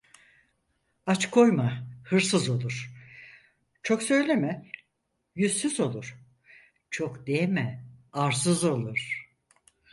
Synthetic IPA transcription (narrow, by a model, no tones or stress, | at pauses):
at͡ʃkʰo̞jmahɯɾsɯzo̞lˠuɾ̥ | t͡ʃʰo̞ksø̞jlʲemɛ | jyzːyzo̞lˠuɾ̥ | t͡ʃʰo̞kd̪̥emɛaɾs̬ɯzo̞lˠuɾ̥